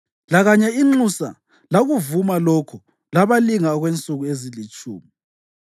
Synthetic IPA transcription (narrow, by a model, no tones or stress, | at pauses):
laɣaɲɛiŋ͡ǁusa̰ | laɣuvumalɔkʰɔ | laβaliŋaɔɣwent͡sʼuɣuezilit͡ʃʼṵːmi